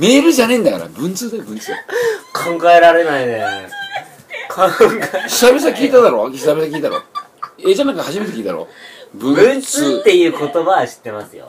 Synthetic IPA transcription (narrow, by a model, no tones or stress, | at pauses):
me̞ːɾɯ̟ʑanaĩnd̪aka̰ɾa̰bɯ̟̃nt͡sɨːd̪ajobɯ̟̃nt͡sɨːkʰãŋɡaeɾaɾe̞naine | kʰãŋɡaɕi̥t̪abes̬akʲiːt̪ad̪aɾo̞ɕit̪abesakʲiːt̪aaɾo̞̰ːed͡ʑanãŋkahaʑimet̪ekʲiːt̪ad̪aɾo̰bɯ̟̃nɯ̟̃nt͡sɨɨːt̪ːe̞jɯ̟ːko̞t̪o̞baaɕi̥t̪ːe̞masɨjo̰